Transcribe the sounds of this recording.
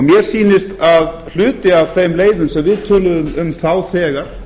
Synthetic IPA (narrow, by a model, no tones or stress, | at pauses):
ɔmjɛɾ̥siːnɪst̪að | l̥ʏːt̪ɪavθejmleːjðʏmsɛmvɪðt̪ʰœːlʏðʏmʏmθawθɛːɣaɾ̥